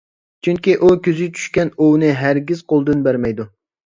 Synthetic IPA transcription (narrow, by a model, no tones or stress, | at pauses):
t͡ʃʰyŋkʲiʔukʲyzɪt͡ʃʰy̥ʃkʲɛnuwnɨɦæɾɡʲiz̥qʰolˠd̪ɨnbæɾmɛjd̪u